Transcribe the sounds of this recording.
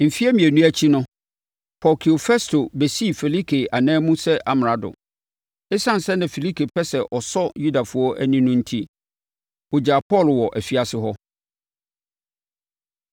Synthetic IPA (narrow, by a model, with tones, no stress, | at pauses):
m̩˨fi˦æ˦mĩ˨æ˨nũ˦æ˦t͡ɕʰi˦nʊ̃˦ | pʰɔ˨kʰi˨o˨fɛ˦stʰo˨be˨si˦˨fɛ˨li˦kʰe˨a˨nɛ̃ː˦mũ˦sɛ˦ʔa˨m˨ɾa˨dʊ̰˨ | e˦sã˦n̩˨sɛ˦nã˨fi˨li˦kʰe˨pʰɛ˦sɛ˨ʔɔ˨sɔ˦ju˦da˨fʊ˦ɔ˦ʔæ̰˦nĩ˦nʊ̃˦n̩˦tʰi˦ | ʊ˨d͡ʑa˨pʰɔ˦˨lwɔ˨ʔæ˨fi˨a˨sɪ˦ɦɔ˦